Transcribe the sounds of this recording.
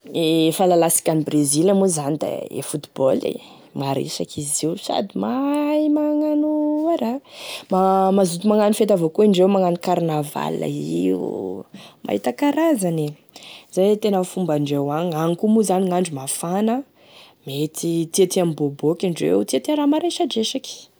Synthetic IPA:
efalalasi̥kʲanibrezilamuzanid̪a̰ḛfut̪i̥bolḛ | maɾḭsakʰiziwsa̰d̪imajmaŋanuaɾamamazut̪umaŋanufet̪avokuiɳɖ͡ʐewmaŋanukaɾnava̰la̰ḭṵmʔa̰hḭt̪akaɾazani | zajt̪enafumbaɳɖ͡ʐewaɲaŋikumuzaniŋaɳɖ͡ʐumafanə | met̪it̪iat̪iamibobokiɳɖ͡ʐḛwut̪iat̪iaɾamaɾeʃad͡ʒeʃaki̥

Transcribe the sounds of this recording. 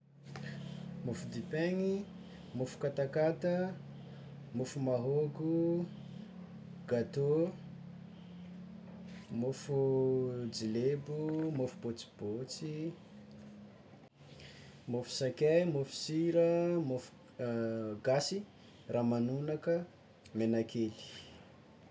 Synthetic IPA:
mufud̪ipeŋi | mofu̥kat̪akat̪ə | mofumaɦoɡu | ɡ̥at̪o | mofud͡zilebumofubot͡si̥b̥ot͡si | mofu̥sakʲajmofu̥siɾəmofu̥ | ɡasi | rʔamanunakə | menakeli̥

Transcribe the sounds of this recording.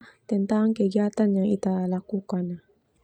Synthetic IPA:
t̪ənt̪aŋkəɡiat̪anjaŋit̪alakukana

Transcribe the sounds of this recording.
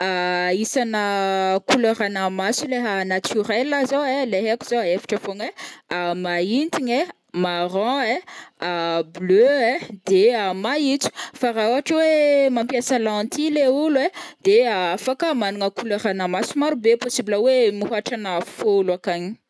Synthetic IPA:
aisanəkuleɾanamasuleɦanat̪ʰyɾɛlːazoeleɦekuz̥oaefi̥ʈ͡ʂəfoneamaint̪iɲe | maɾɔ̃eabløed̪eamait͡su̥faɾaoaʈ͡ʂəwemampjasəlãnt̪ileulwed̪eaafakəmanuŋəkuleɾanəmasumaɾubeposibləwemiɦaʈ͡ʂanəfolwakaɲi̥

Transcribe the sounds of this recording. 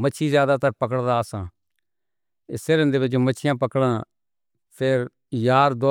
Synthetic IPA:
mət͡ʃʰiːzjaːd̪aːt̪əɾpəkəɽd̪aːsã̰ː | ɪseːɾə̃nd̪eːbəd͡ʒomət͡ʃʰɪjãːpəkɽãː | pʰeɾ | jaːɾd̪o

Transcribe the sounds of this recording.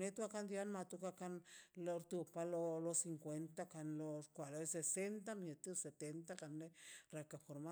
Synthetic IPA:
net̪uakand̪janmat̪ukakanloɾt̪upalolosiŋkwent̪akanloskʷaloesesent̪̬amet̪iset̪ent̪akanerakafoɾma

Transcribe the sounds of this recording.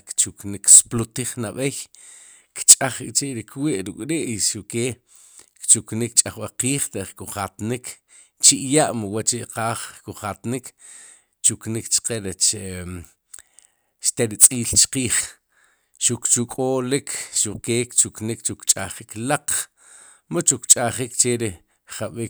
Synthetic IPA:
kt͡ʃukniksplut̪iχnaɓej | kt͡ʃʼaχikʼt͡ʃiʔɾikwiʔɾukʼɾiʔʃukeː | kt͡ʃuknikt͡ʃʼaχɓaqiːχt̪eʔχkuχat̪nikʰ | t͡ʃiʔjaʔmwat͡ʃiʔqaːχkuχat̪nik | t͡ʃuknikt͡ʃqeɾet͡ʃe | ʃt̪eɾit͡sʼiːlt͡ʃqiːχ | ʃukt͡ʃukʼoːlikʰʃukeːkt͡ʃuknikt͡ʃukt͡ʃʼa̰χiklaq͡χ | mot͡ʃukt͡ʃʼaχikt͡ʃeɾi | χaɓik

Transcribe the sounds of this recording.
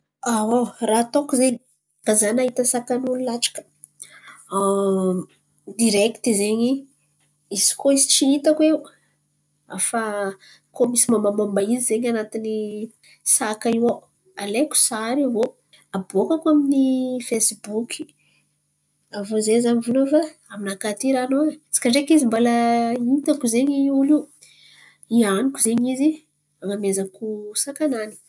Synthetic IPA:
awawraat̪okuzeɲ | kazanaɦit̪əsakanululaʈ͡ʂḁkə̥ | a | d̪iɾɛkt̪izeɲi | isi̥koizi̥ʈ͡ʂiit̪akweu | a̰fa | komisimamamambaizizeɲanat̪ini | sakaiwa | aleku̥saɾivo | abokakwaminifesbukʰi̥ | avozezamivulofaaminakat̪iɾanot͡si̥kaɳɖ͡ʐekizimbalait̪akuzeɲiuli | ianikuzeɲizi | aŋamezakusakanani̥

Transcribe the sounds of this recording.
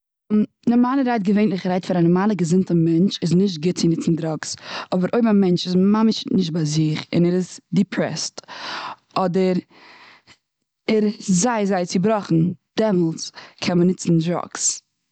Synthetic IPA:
nɔmaːlˠəɾaɪt̚ɡəveɪnlˠɪχɾaɪtfaɾanɔmaːlˠəɡəzɪntəmɛnt͡ʃɪznɪʃtɡɪt̚t͡sɪnɪt͡sn̩dɾɔksɔbəɾʔoɪbmamɛnt͡ʃɪsmamɪʃnɪʃ̬t̚baɪzɪχɪ̰nɛɾɪzdɪpʰɾɛ̰st | ɔdəɾ | ɛɾzaɪzaɪt͡sɪbɾɔχn̩d̥ɛmɔlˠt͡skʰɛnmənɪt͡sn̩dɾɔ̰ks

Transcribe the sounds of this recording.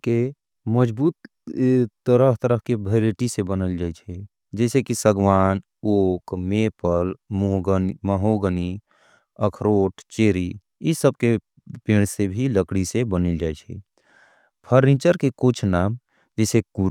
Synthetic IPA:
ke | məd͡ʒbuːt̪ | t̪əɾəɦt̪əɾəɦkebʱəɾeʈisebənəld͡ʒaːjt͡ʃʰɛ | d͡ʒɛːsekisəɡʋaːn | oːkmepəlmɡməɦoɡəni | əkʰɾoːʈʰt͡ʃeɾi | isəb̚ke | pẽːɽ̃sebʱiləkɽisebənəld͡ʒajt͡ʃʰɛ̰ | pʰəɾnit͡ʃəɾkekʊt͡ʃʰnaːm | d͡ʒɛːseku

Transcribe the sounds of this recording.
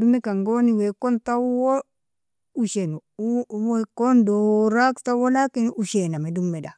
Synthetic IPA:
dumekaŋɡoniwekontawo | uʃenuwekondoɾaktawolakinuʃenamedumːeda

